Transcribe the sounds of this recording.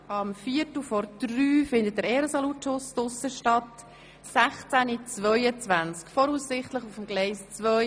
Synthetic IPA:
ɑmfiətufɔɾd̥ryːfɪndət̚dəɾɛːɾəsɔlutʃʊsdʊsəʃtɑt | sæχt͡sænit͡sʋœʏət͡svænt͡skfɔɾuːssɪχtləχufəmɡ̥lɛɪst͡svœ

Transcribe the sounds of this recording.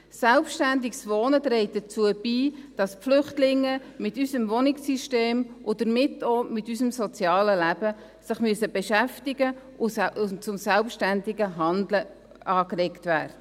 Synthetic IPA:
sɛlpʃtændiksʋoːnət̪ɾɛɪt̚dət͡suəb̥iːd̥ɑspflʏχtlɪŋːəmɪtysəmvɔnɪksiʃteːmʔʊd̥əɾmɪtomɪtysəmsɔt͡sjɑːləlæbə | sɪχmyəsəbeʃæftɪɡə | ʊʊt͡sʊmsælpʃtændiɡəɦɑndlə | ɑːklɛktvæ̰ːɾdə

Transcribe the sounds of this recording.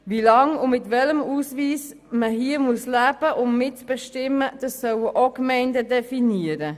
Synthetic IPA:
vilɑŋʊmɪtvɛləmuːsviːs | məɦiːəmuəslæːb̥əʔʊmmɪtb̥ɛʃtɪməd̥ɑsːœwəʔokmɛɪndədɛfiniəɾə

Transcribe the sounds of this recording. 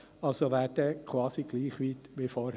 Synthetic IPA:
ɑlsoʋæːd̥əkʰwɑːsiɡ̥liːχʋiːt̪ʋifɔːɾh

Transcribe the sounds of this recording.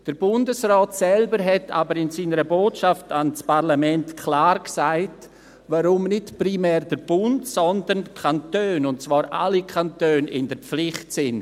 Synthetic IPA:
d̥əɾbʊndəsrɔːtsɛlbəɾɦɛtʰa̰bəɾɪnsiːnəɾəboːtʃaftanspʰaʁlamɛntkʰlaːɾksaɪt | vaɾʊmnɪtprimɛːɾdəɾbʊntsɔndənkʰantøːnʊnt̚t͡svaːɾʔa̰likʰantøːnɪ̰ndəɾp͡flɪχtsɪn

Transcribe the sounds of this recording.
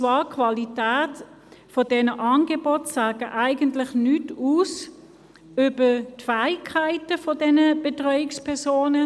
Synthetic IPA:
t͡sʋɑːkʰvɑlitæːt | fɔdɛnəʔɑnɡebɔtsaːɡəʔaɪɡəntlɪχnytuːs | ʏbətfæɪkʰːaɪtəfɔdɛnəb̥etʁœʏɪkspʰɛɐsoːnə

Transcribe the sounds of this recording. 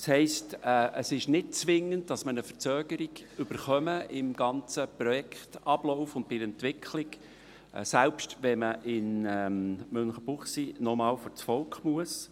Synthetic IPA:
shɛɪstɛʔəsɪʃnɪt̚t͡sʋɪŋːən̚d̥ɑsmənəfət͡søːɡəɾiɡ̥ʏb̥əɾχœməɪmɡ̥ɑnt͡səprɔjɛktɑb̥lɔʊfʊnd̚pɪɾɛntʋɪkʰlɪk | sælpʃtʋɛməʔɪnɛmønχəb̥ʊχsinɔmɑːlføɾt͡sfɔlkχmuəs

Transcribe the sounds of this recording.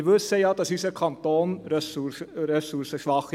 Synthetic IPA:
ʋʉseɑd̪ɑsysəkʰɑnt̪oːnɾsuɾɛsuɾsəʃʋɑχ

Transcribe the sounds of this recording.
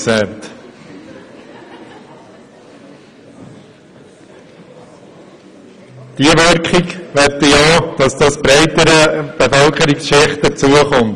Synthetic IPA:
sɛɾt̪ | d̥iəʋøɾkχikʋɛɾtəjɑːd̥ɑsd̥ɑsb̥ɾæɪt̪əɾəb̥efœlkʰəɾiksʃeχt̚dəɾt͡suəχɔmt

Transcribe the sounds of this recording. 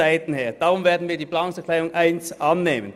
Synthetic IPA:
aɪtn̩heːɐd̥aːʁʊmveːɐdn̩viːɐdiːblaʊŋsɛklaɪʊŋʔaɪnsʔɑnːeːmən

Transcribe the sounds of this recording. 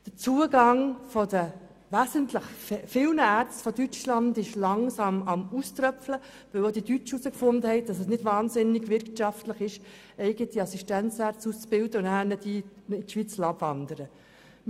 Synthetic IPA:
d̥ət͡suːəɡɑŋfɔd̥ə | ʋæsəntləχffɪlnəæːɾt͡sstfɔdyt͡ʃlɑndɪʃlɑŋsɑmɑmust̪ɾœflə | ʋɪwod̥̪idyt͡ʃusəkfʊnd̪əhɛɪd̥ɑsɛsnɪd̥vɑːnzɪnːɪɡʋɪɾkʃɑftləχɪʃ | ɛɪɡ̥ət̪iɑsiʃtænt͡sæɾt͡sust͡sb̥ɪld̥əʊnæːnɛdiːɪtʃʋit͡slɑbvɑnd̪əɾə

